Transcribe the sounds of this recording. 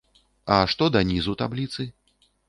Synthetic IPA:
aʂt̪ɔd̪ɐnʲizut̪ablʲit̪sɨ

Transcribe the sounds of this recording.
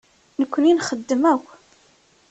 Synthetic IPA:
nəkʷːəninχəd̪ːəmæw

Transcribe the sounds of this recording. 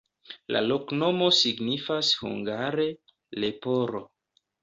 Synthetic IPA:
la̰lo̞kno̞mo̞siɡnifashṵŋɡaɾe̞ | le̞poɾo

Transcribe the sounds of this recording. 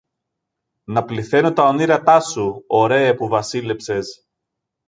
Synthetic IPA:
nɐpliθe̞not̪ɐo̞niɾɐt̪ɐsuoɾe̞ɐpuvɐsile̞pse̞s

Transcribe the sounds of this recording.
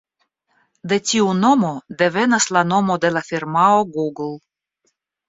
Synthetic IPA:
d̪e̞tʲiuno̞mo̞d̪e̞ve̞naslano̞mo̞d̪e̞lafiɾmaoɡuɡl

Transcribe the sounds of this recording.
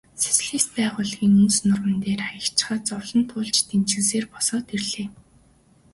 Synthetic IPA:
se̥s̆ɮiːs̚pæːʁʊːɮɣiːŋɵnt͡snʊrmə̆nt̪eːrajə̆kt͡ɕχaːt͡sɔwɮɞ̆nt̪ʰʊːɮt͡ɕt̪ent͡ɕɘ̆kseːrpɔsɔːt̪irɮeː

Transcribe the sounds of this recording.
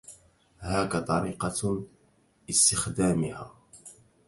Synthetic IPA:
haːkat̪ˤɑɾiːqɑ | ɪst̪ɪxd̪aːmɪhaː

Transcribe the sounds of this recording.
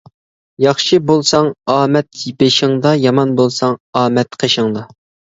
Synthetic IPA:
jɑχʃɨbolˠsɑŋɑːmɛt̪jibɪʃɪŋd̪ɑjɑmɑnbolˠsɑŋɑːmɛt̪qʰəʃəŋd̪ɑ

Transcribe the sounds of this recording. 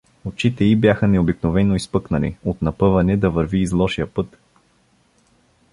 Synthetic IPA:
ot͡ʃit̪ɛibjaxənɛobiknovɛnoispɤknɐlḭot̪nɐpɤvɐnɛd̪ɐvəɾviːzlˠɔʃijəpɤt̪

